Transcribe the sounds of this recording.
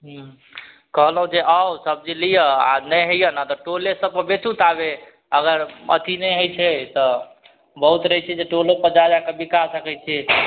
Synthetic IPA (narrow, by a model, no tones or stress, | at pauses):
ɦ | kəɦlɦũd͡ʒeʔəwsəb̚d͡ʒilijəa̰nəjɦəjənət̪ɔʈolesəb̚kəbet͡ʃut̪abe | əɡəɾə̰t̪inɛjɦojt͡ʃʰɛt̪ɔ | bəɦut̪ɾəɦɛt͡ʃʰɛd͡ʒeʈolopəɾd͡ʒad͡ʒakəbikasəkɛjt͡ʃʰɛ